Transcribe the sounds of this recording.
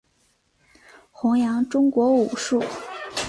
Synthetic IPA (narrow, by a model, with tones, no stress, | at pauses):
xʊ˧˥ŋjɑ˧˥ŋʈ͡ʂʊ˥ŋkwɔ˧˥u˨˩ʂu˥˩